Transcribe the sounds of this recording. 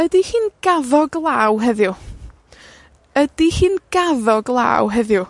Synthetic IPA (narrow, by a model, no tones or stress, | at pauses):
ədihiːnɡ̥aðɔɡlˠaːwɦɛðjʊ | əd̥ihɨːnɡ̥aðɔɡlˠa̰ːwɦɛðju